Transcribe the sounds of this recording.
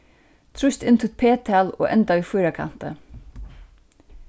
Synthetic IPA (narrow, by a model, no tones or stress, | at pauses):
t̪ʰɾʉst̪ɪnt̪ʰʉt̪̚pʰeːt̪ʰɑːlo̰ːʔɛnt̪aʋiːfʏːɾakʰɑ̰nt̪ə̰